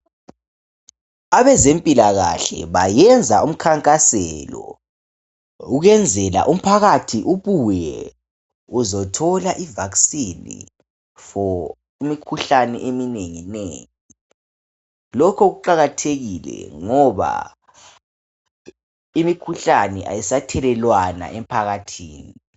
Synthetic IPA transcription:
aβɛzempʼilaɣa̰ɬɛ̰βajɛnd͡zʱaum̩kʰaŋkʼasɛlɔ̰ | uɣɛnd͡zʱɛla̰ʔum̩pʰaɣatʰiʔuβujɛ̰ | uzɔtʰɔlaʔivaksinḭ | fɔ | imikʰuɬanɛʔemineŋinɛ | lɔkʰɔɣuǃaɣatʰeɣilɛ̰ŋɔβa̰ | imikʰuɬanɛʔa̰jɛsatʰɛlɛlwana̰ʔɛm̩pʰaɣatʰiːni

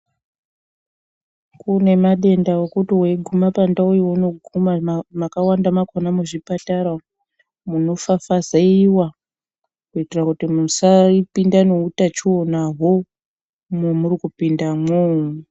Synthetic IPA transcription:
kune̞maɗe̞ndaokutiɦwe̞ɡʱumapandaujiwno̞ɡʱumamakawandamakonamuʐipataɾa | muno̞fafazaiwa | kuitirakutimusaipindane̞utat͡ʃionaɦo | memuɾikupindamo

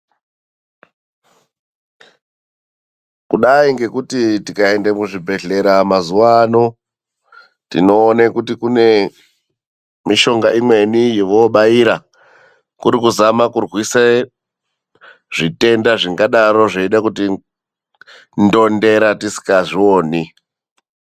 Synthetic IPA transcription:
kuɗaiŋɡe̞kutitikae̞ndemuʐibʱe̞ɮe̞ɾamazuʋano̞ | tḭno̞ːnekutikune̞ | miʃo̞ŋɡaʔimwe̞nijeʋoɓaiɾa | kuɾikuzamakurɣwisa | ʐite̞ndaʐiŋɡaɗaɾo̞ʐeiɗakuti | ndo̞nde̞ɾatisi̥kaʐioːni

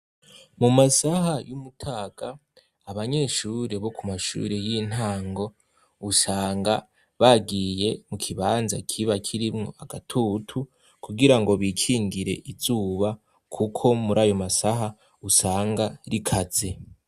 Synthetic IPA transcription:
mumasahajumutʰaːɡ̥aː | βaɲe̞ːʃuɾe̞βo̞kumaʃṵːɾe̞jin̥haːŋɡo̞ | usaːŋɡa | βaɡijemukʰiβaːnzakʰiβakʰiɾimŋo̞̰aɡatʰutʰu | kʰuɡiɾaŋɡo̞βikʰiːŋɡiɾe̞̰ʔizuːβa | kʰukʰo̞muɾaːjo̞masaɦa | usaːŋɡaɾikʰaz̥e̞

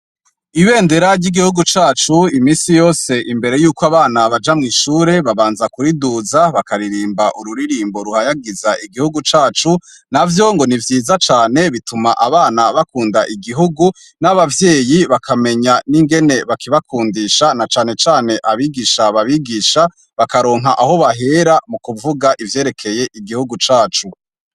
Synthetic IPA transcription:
iβe̞ːnde̞ɾaɾɟiɡihuɡut͡ʃaːt͡ʃuimiːsijo̞ːse̞ʔimbe̞ɾe̞juːkoaβaːnaβad͡ʒamŋiːʃuːɾe̞βaβaːnzakuɾiduːzaβakaɾiɾiːmbaʔuɾuɾiɾiːmbo̞ɾuhajaɡizaʔiɡihuɡut͡ʃaːt͡ʃu | navjo̞ŋɡo̞nivjiːzat͡ʃaːne̞βitumaʔaβaːnaβakuːndaʔiɡiɦuɡu | naβavje̞ːjiβakʰame̞ɲaniŋɡene̞βakiβakʰuːndiʃanat͡ʃaːne̞t͡ʃaːne̞ʔaβiɡiʃaβaβiɡiːʃa | βakaɾo̞ːŋɦaʔaho̞βaɦe̞ɾamukuvuɡaʔivje̞ːɾe̞kʰe̞je̞ʔiɡihuɡut͡ʃaːt͡ʃu

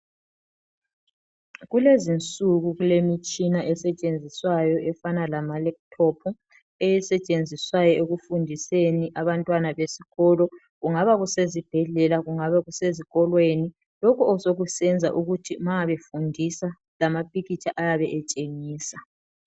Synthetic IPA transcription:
ɣulezint͡sʼuɣuɣulemit͡ʃʼinaʔɛsɛt͡ʃʼend͡zʱiswajɔʔɛfanalamalɛk̚tʰɔpʰɔ | ejɛsɛt͡ʃʼend͡zʱiswajɔeɣufundʱiseniʔaβantʼwanaβesiɣɔːlɔ | ɣuŋaβaɣusezib̥ʱɛɮɛlaɣuŋaβaɣuseziɣɔlweni | lɔkʰuɔsoɣusɛnd͡zʱaʔuɣutʰimaaβefundʱisa | lamapʼiɣit͡ʃʼaʔajaβɛʔɛt͡ʃʼeŋiːsa

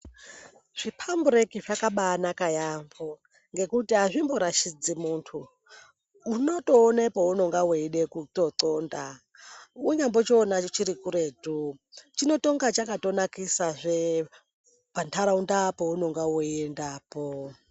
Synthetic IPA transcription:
ʐ̥ipʰambuɾekiʐakaɓanakajambo | ŋɡe̞kutiaʐimboɾaʃid͡zimuntʰuː | notoːnepounoŋɡaweiɗekutotoːnda | uɲambot͡ʃoːnat͡ʃiɾikuɾetut͡ʃino̞toŋɡat͡ʃakatonakisaʐʷe | pantʰaɾaundapounoŋɡawuendaːpo

